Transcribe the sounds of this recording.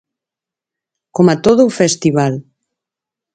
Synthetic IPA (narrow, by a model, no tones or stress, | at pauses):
komat̪oðuːfest̪iβal